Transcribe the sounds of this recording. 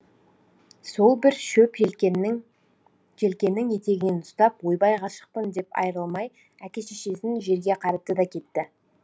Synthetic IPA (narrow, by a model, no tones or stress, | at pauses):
so̞lˠbɪɾʃɵp | kʰe̞lkʲe̞nːɪŋje̞t̪e̞ɡʲɪnenʊst̪ɑp̚wo̞jbɑjʁɑʃə̥q̚pənd̪e̞pɑ̰jəɾəlˠmɑj | ækʲe̞ʃeʃe̞sɪnʒe̞ɾɡʲe̞qʰɑɾəp̚t̪əd̪ɑkʲʰe̞t̪ːɪ